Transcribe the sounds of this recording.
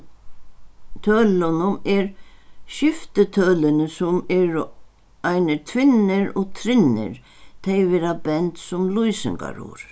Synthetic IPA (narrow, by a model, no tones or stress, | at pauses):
t̪ʰœːlʊnʊmɛɾʃɪft̪ɪt̪ʰœːlɪnəsʊmɛːɾʊ | ajnɪɾt̪ʰʋɪnːɪɾɔt̪ʰɾɪnːɪ̰ɾ | t̪ʰɛjvɪɾabɛnt̪sʊmlujsɪ̰ŋka̰ɾṵɾ